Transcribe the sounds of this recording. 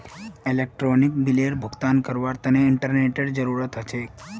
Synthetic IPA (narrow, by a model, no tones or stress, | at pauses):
ilek̚ʈɾonikbileɾbʱəɡt̪ankəɾʋaɾt̪əneɪɳʈəɾneʈeɽd͡ʒəɾuɾət̪ʰɦət͡ʃʰe